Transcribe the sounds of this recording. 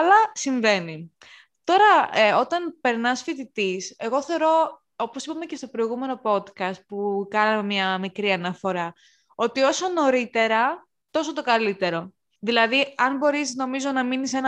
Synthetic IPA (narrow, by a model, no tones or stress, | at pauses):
ɐlɐsiɱve̞ni | t̪o̞ɾɐo̞t̪ɐnpe̞ɾnɐsfit̪it̪ise̞ɣo̞θeo̞ɾo̞ | oposipɐme̞ce̞st̪o̞pɾo̞iɣume̞no̞po̞t̪kɐst̪̚pukɐnɐmemɲɐmikɾiɐnɐfo̞ɾɐ | o̞t̪io̞so̞no̞ɾit̪e̞ɾɐ | t̪o̞sot̪okɐlit̪e̞ɾo̞ | ðilɐðiɐnbo̞ɾisno̞mizo̞nɐminise̞nɐ